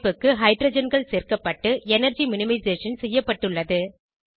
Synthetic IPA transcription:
pːɯkːɯɦɐɪɖɾoːd͡ʒɐnɡɐɭseːrkɐpːɐʈːɯʔɛnɐɾd͡ʒimʊnɪmɐɪzeːʂɐnsɛjːɐpːɐʈːɯɭːɐðɯ

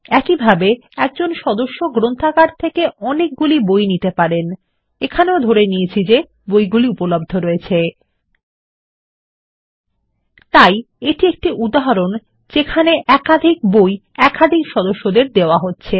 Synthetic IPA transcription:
ɛkibʱabeɛk̚d͡ʑonʃɔd̪oʃːoɡɾont̪ʰakaɖ̚t̪ʰekeʔɔnek̚ɡulibojnit̪epaɾen | ekʰaneod̪ʱoɾeniet͡ɕʰid͡ʑe | bojɡuliupolob̚d̪ʱoɾɔet͡ɕʰe | t̪aj | eʈiek̚ʈiʔud̪aɦaɾon | d͡ʑekʰaneʔɛkad̪ʱik̚boj | ɛkad̪ʱikʃɔd̪oʃːod̪eɾd̪eoaɦotːɕʰe

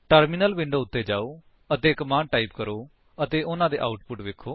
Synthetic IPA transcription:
ʈəɾmiːnəlʋɪ̃ɳɖoːʊt̪ːeːd͡ʒaːoː | ət̪eːkmãːnʈaːiːpkəɾoː | ət̪eːʔʊnãːd̪ḛːʔaːʊʈpʊʈʋeːkʰːoː

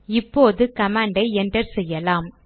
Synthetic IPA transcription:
ɪpːoːðɯkɐmaːɳɖɐɪɛndrɐɾsɛjːɐlaːm

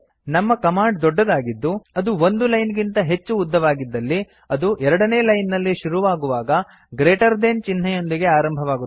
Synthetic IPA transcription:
nɐmːɐkɐmaːɖd̪ɔɖːɐd̪aːɡid̪ːuɐd̪uo̞nd̪ulɐjnɡint̪ɐɦe̞t͡ʃːuːd̪ːɐʋaːɡid̪ːɐlːi | ɐd̪uʔɛɾɐɽɐne̞ːlɐjnːɐlːiʃuɾuʋaːɡuʋaːɡɐ | ɡɾeːʈɐɾd̪eːnt͡ʃin̤ːɐjo̞nd̪iɡe̞aːɾɐmbʱɐʋaːɡu

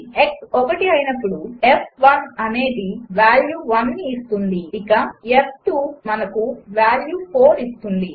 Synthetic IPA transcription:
eksɔkɐʈiɐjinɐpːuɽuepʰʋɐnɐne̞ːd̪iʋaːljuːʋɐnːiːst̪und̪iikɐefʈuːmɐnɐkuʋaːljuːpʰoːɾist̪und̪i

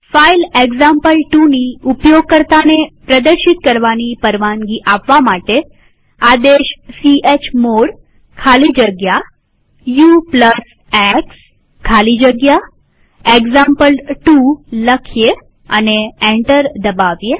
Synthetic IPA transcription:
faileɡzãmpəlʈuniupjoɡ̚kəɾt̪anepɾəd̪əɾʃit̪kəɾʋanipəɾʋãŋɡiʔapʋamaʈe | ad̪eʃsiet͡ʃʰmoɽ | kʰalid͡ʒəɡja | jupləs | eks | kʰalid͡ʒəɡja | eɡzãmpəlʈuləkʰje | ə̰neɛ̃ɳʈəɾd̪əbaʋje

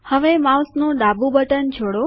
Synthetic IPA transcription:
həʋemawsnõɖabũbəʈənt͡ʃʰoɽo

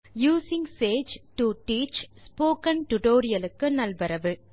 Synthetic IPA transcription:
juːsɪŋseːd͡ʒʈuʈiːt͡ʃspoːkɐnʈʊʈoːɾɪjɐlɯkːɯnɐlbɐɾɐʋɯ

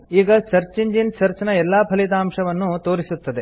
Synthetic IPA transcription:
iːɡɐsɐɾt͡ʃiɲd͡ʒinsɐɾt͡ʃɐnɐɛlːaːpʰɐlit̪aːmʂɐʋɐnːut̪oːɾisut̪ːɐd̪e

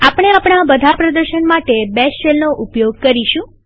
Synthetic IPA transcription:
apɽ̃eapɳ̃abəd̪ʱapɾəd̪əɾʃəɳmaʈebɛst͡ʃelnoʔʊpjoɡ̚kəɾiʃũ

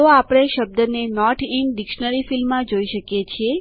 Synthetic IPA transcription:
oapɽ̃eʃəb̚d̪ənenɔʈʰinɖɪkʃənəɾifilmːãd͡ʒoiʃəkjet͡ʃʰie

